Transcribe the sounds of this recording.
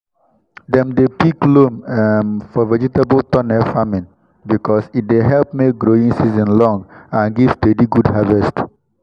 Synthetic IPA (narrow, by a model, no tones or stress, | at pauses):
d̪ɛ̃md̪epiklommfɔʋɛd͡ʒitəbəlt̪ɔ̃nɛfamĩn | bikɔsit̚d̪eɦɛlpmek̚ɡɾoĩŋsizə̃nlɔ̃ŋɡãnɡiv̥steɖiɡuɖhavɛst